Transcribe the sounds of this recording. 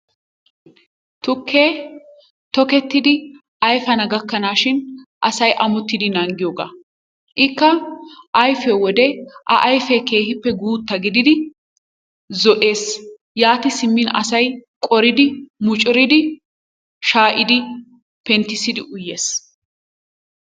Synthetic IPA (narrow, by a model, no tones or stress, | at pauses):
t̪ʊkʰːeː | t̪ɔkɛt̪ːɪd̪ɪ | ʔɐjfɐnɐɡɐkːɐnaːʃɪnʔɐsɐjʔɐmʊt̪ːɪd̪ɪnɐŋɡɪjoːɡa̰ː | ʔɪkːɐʔɐjfeːwɔd̪ɛʔɐ̰ʔɐjfeːke̞ːhɪpːɛɡuːt̪ːɐɡɪd̪ɪd̪ɪ | zɔʔe̞ːs | jaːt̪ɪsɪmːɪnɐ̰sɐjkʼɔɾɪd̪ɪmʊt͡ʃʼɪɾɪd̪ɪ | ʃaːʔɪd̪ɪ | pɛnt̪ːɪsɪd̪ɪʔʊjːe̞ːs